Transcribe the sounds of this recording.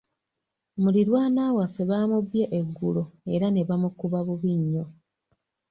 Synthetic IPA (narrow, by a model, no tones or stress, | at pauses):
muliɾwaːnaːwafːe̞βaːmuβjeʔeɡːuloe̞ɾane̞βamukuβaβuβiɲːo̞